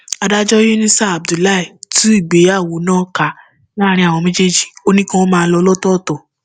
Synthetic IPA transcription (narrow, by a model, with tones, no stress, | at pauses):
a˧da˦d͡ʒɔ˦je˦nĩ˦sa˦a˨b̚du˨la˦i˦˨tũ˨˦i˦˨ɡ͡be˨˦a˦˨wo˨˦nãː˦ka˧˦ | a˦˨ɾ̃ĩ˧˦a˨w̃ɔ̃˧mẽ˦d͡ʒe˦d͡ʒi̥˦˨o˦nĩ˦kã˦wo˦mãː˧˦lɔ˧˦lɔ˦tɔ˦˨tɔ˨